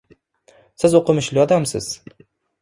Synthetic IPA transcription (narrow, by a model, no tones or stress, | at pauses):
sɪzoqʰɨmɪʃlɪjɒd̪amsɪ̰z̥